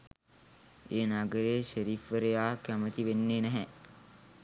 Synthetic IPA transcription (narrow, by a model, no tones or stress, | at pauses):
eːnaɡəɾeːʃeɾifəɾejaːkæmət̪iʋenːeːnɛɦɛ